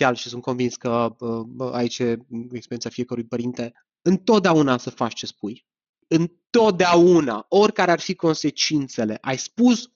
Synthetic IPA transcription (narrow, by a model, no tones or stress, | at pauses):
alʃisunt̪̚ko̞nvinskəəa̰it͡ʃeekspeɾʲjensafie̞kəɾujpəɾint̪e̞ | ɨnt̪o̞t̪̚d̪eaunasəfat͡ʃt͡ʃe̞spuj | ɨnt̪o̞t̪̚d̪eaunao̞rʲkaɾearfiko̞nse̞t͡ʃint̪se̞le̞ʔajspus